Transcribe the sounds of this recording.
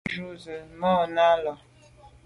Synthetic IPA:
ʒu˦zə˨mɔ˦˨na˦lɔ˨

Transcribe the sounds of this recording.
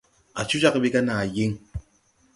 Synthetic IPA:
a̰˨t͡ʃu˦t͡ʃa˦kbi˦ka˦na˨ji˦ŋ

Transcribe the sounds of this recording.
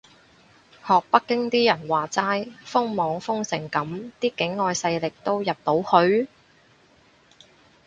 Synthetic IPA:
hɔː˨k̚pɐ˥kːɪ˥ŋt̪iː˥jɐ˨˩nwaː˨t͡saː˥jfʊ˥ŋmɔː˨˧ŋfʊ˥ŋsɪ˨˩ŋkɐ˨˥mt̪iː˥kɪ˨˥ŋːɔː˨˧jsɐ˧jlɪ˨k̚t̪o˥wjɐ˨p̚t̪o˨˥whɵ˧ɥ

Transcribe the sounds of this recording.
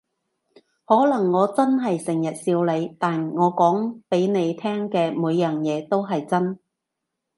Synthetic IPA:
hɔː˨˥lɐ˨˩ŋːɔː˨˧t͡sɐ˥nɦɐ˨jsɪ˨˩ŋjɐ˨t̚siː˧wle˨˧jt̪aː˨nŋɔː˨˧kɔː˨˥ŋpe˨˥jne˨˧jt̪ʰɛː˥ŋkɛː˧muː˨˧jːœː˨˩ŋjɛː˨˧t̪o˥wɦɐ˨jt͡sɐ˥n

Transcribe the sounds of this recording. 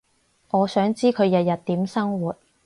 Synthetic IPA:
ʔɔː˨˧sœː˨˥ŋt͡siː˥kʰɵ˨˧ɥjɐ˨t̚jɐ˨t̚t̪ːiː˨˥msɐ˥ŋwuː˨t̚

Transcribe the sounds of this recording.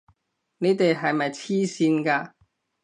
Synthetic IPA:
ne˨˧˥t̪e˨jɦɐ˨jmɐ˨jt͡sʰiː˥siː˧nkaː˧

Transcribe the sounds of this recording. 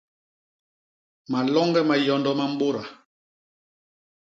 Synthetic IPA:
ma˨lɔ˦ŋɡɛ˦ma˨jɔ˨ndɔ˦ma˦m̩˦bo˦ɾa˨

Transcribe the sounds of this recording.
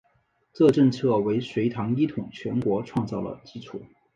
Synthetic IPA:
t͡sɤ˥˧ʈ͡ʂə˥˧ŋt͡sʰɤ˥˩we˧˥ɪʂwe˧˥ɪt̪ʰɑ˧˥ŋi˥t̪ʰʊ˨˩ŋt͡ɕʰɥɛ˧˥nkwɔ˧˥ʈ͡ʂʰwɑ˥˧ŋt͡sɑ˥˩ʊlə̰˩t͡ɕi˥ʈ͡ʂʰu˨˩˦

